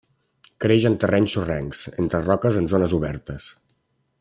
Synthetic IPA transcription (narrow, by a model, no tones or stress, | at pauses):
kɾeʒənt̪ərɛɲsurɛŋksent̪ɾərɔkəzənzonəzuβɛɾt̪əs